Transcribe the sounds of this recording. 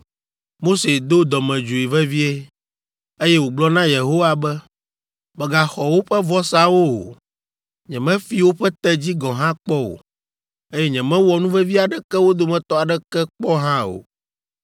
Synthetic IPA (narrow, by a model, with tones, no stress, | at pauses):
mo˦se˨d̪o˦d̪ɔ˨mɛ̃˨d͡ʒu˨i˨vɛ˦vi˦e˦ | e˦jɛ˦wo˨ɡ͡blɔ˦nã˦je˨ɦo˦wa˨bɛ˦ | mɛ˨ɡa˨xɔ˨wo˦ɸɛ˦vɔ˦sa˦wo˦o̰˨ | ɲɛ̃˨mɛ̃˦fi˦wo˦ɸɛ˦t̪ɛ˦d͡ʑi˦ɡɔ̃˨ɦã˦k͡pɔ˦wo̰˨ | e˦jɛ˦ɲɛ̃˨mɛ̃˦wɔ˨nũ˦vɛ˦vi˦a˨ɖɛ˨kɛ˦wo˦d̪o˦mɛ̃˨t̪ɔ˦a˨ɖɛ˦kɛ˦k͡pɔ˦ɦã˦o̰˨